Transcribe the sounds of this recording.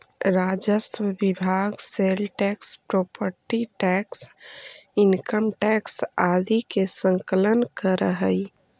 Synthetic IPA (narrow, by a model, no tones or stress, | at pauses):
ɾad͡ʒəswəbibʱaɡselʈɛkspɾopəɾʈiʈɛks | inkəmʈɛksad̪ikesə̃ŋkələnkəɾəɦə